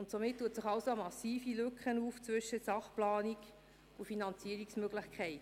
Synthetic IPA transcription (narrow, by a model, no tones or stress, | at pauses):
ʊntsomɪt̚tːuətsɪχɑʊsoɑmɑsiːfilʏkχənuːft͡sʋʏʃəsɑχplɑːnik | ʊfinɑnt͡siəɾiksmøɡlɪχkʰɛɪt